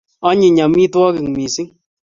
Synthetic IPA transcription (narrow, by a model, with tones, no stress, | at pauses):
ɔ˦ɲi˨ɲa˨mi˦twɔ˦kɪ˨ŋ˨mi˨si˦ŋ